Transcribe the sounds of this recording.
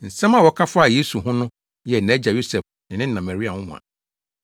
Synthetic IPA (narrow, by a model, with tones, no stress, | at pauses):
n̩˨sɛ̃˦ma˨wɔ˨˦kʰa˦fa˦˨je˦su˨ɦʊ̃˦nʊ̃˦ | jɛ˨nɛ˦d͡ʑa˨jo˦sɛ˨f | nɪ̃˨nɪ̃˦nã˨ma˨ɾi˦a˨hʊ̃˦mʊ̰̃˨ã̰˨